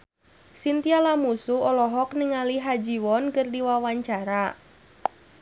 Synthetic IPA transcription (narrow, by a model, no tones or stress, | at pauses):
sint̪ialamusuɔlɔɦɔkniŋaliɦad͡ʒiwɔnkɨrdiwawaɲt͡ʃaɾa